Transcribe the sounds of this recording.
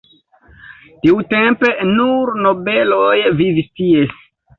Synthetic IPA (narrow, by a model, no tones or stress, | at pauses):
tiute̞mpenuɾno̞be̞lojvivistie